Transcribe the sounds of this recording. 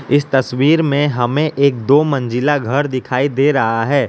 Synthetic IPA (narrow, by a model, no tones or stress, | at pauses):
ɪst̪ɐswiːɾmẽɦɐmẽʔeːk̚d̪oːmɐ̃nd͡ʒɪlaɡʱɐɾd̪ɪkʰaːid̪eːɾɐɦaɦɛː